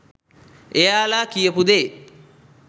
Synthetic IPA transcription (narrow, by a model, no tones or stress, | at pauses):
ejaːlaːkijəpud̪e